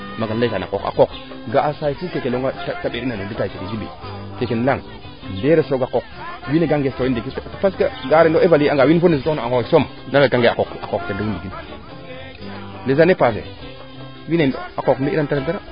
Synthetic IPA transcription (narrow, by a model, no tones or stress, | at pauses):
maɡanlakana̰ko̰ka̰kok | ɡaasajfukekeloŋɡatataɓeɾinaeditaikekedibḭ | kekenlaŋ | ndeɾesɾoɡakok̚ | wineɡaŋɡestoindekittḁpaskaɡaɾendoevaliaŋɡawinfoneitonaakoksom | nalakaŋɡeakokakoktedəwundiɡin | lezanepas̬ḛ | wineakokmeantaɾantaɾa